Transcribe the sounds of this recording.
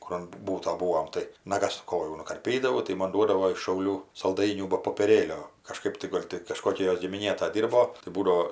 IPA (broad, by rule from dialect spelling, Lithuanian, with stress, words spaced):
ˈkʊr ɐn ˈbuːtoː ˈbuːoːm tɐɪ nɐˈɡɐs ˈkoːjuː nʊkɐrʲˈpʲiːdɐʋɐʊ tɐɪ ˈmoːn ˈduɔdɐʋoː ɪʃ ʃɐʊˈlʲuː sɐlˠˈdɐɪnʲuː bɐ poːpʲiɛˈrʲeːlʲoː kɐʃˈkɐɪp tɐɪ ˈɡoːlʲ tʲɪ kɐʃˈkoːkʲɛ ˈjoːs ɡʲɪmʲɪˈnʲeː tɐ ˈdʲiːrboː tɐɪ ˈbuːdɐoː